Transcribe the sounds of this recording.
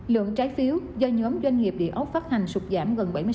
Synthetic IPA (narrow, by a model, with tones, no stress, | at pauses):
lɨ̰˧˨əŋt͡ɕaː˨˦jfi˨˦əwzɔ˧ɲɔ˨˦mzwa˧jŋ̟ŋi˨˩əp̚ɗḭ˧˨ʔə˨˦˥p̚faː˦˥t̚ha˨˩jŋ̟swu˨˩k͡p̚zaː˧˩mɣə˨˩nɓa˧˩jm˧